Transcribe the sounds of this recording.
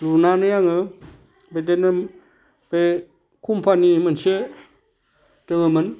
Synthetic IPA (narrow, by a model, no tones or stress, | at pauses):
lunanɯjaŋɯ | bet̬enɯ | be | kʰumpʰanimənse | təŋɯmɯn